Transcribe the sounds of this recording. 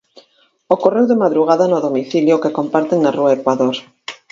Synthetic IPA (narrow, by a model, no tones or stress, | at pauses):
okorewðemaðɾuɣ̞aðanoðomiθiljokekompaɾt̪eŋnaruaekwaðoɾ